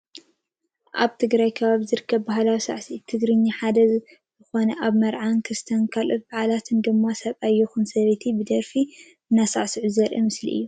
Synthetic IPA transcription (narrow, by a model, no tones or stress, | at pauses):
ʔa̰βt̪ʰɨɡɾajkʰɐβaβizɨɾɨkʰːɐβbaɦlawisa̰ʕsit̪ʰɨɡɾɨɲːaħad̪ɐz | zɨxo̞nɐʔaβmɐɾʕankʰɨst̪ʰɐnkʰalʔot̪̚baʕalat̪ʰɨnd̪ɨmːasɐβajːɪxunsɐβet̪ʰibɨd̪ɐɾfi | ɨnːasaʕsɨʕuzɐɾʔɐ̰mɨslḭʔɨ̰jːu